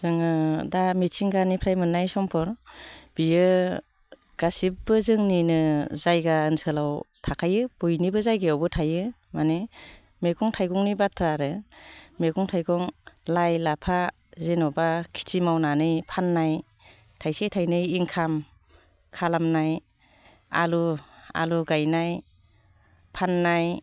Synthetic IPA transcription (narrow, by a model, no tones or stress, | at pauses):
z̥ɯŋɯdamitʰiŋɡanipʰɾajmɯnːajsɔŋpʰɔɾb̥ijɯ | ɡ̥asibbɯzɯŋninɯzajɡaɯnsʰɯlawtʰakʰajɯb̥ujnibɯzajɡeawbɯtʰajɯ | mane | meɡɔŋtʰajɡɔŋnibatʰɾaɾɯmeɡɔŋtʰajɡɔŋlajlapʰa | zenɔbakʰi̥t͡ʃimawnanɯjpʰanːaj | tʰajsetʰajnɯiŋkʰam | kʰalamnaj | a̰lua̰luɡajnaj | pʰanːaj